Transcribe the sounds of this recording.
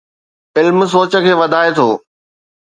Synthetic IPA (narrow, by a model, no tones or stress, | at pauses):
ɪlms̬oːt͡ɕə̆kʰeːʋɐd̪ʱaːet̪ʰoː